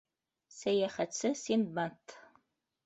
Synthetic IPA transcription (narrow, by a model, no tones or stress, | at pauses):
sɐjɛχɐt͡sʰɨsinbɐntʰ